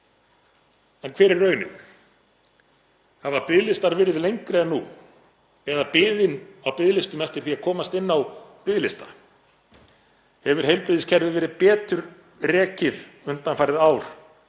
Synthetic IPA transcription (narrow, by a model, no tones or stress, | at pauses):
ɛnkʰv̥ɛːɾɪrrœːɥnʏ̰m | havapɪðlɪst̪aɾvɪːɾɪðlejɲkɾɪɛnːṵ | ɛðapɪːðɪnawpɪðlɪst̪ʏmɛft̪ɪɾ̥θiakʰɔːmast̪ɪnːawpɪðlɪst̪ḁ̰ | hɛvʏɾ̥hejlpɾɪðɪscʰɛɾðʏvɛːɾɪðpɛːt̪ʏɾ | rɛːcɪðʏnt̪anfajɾɪðaːwɾ̥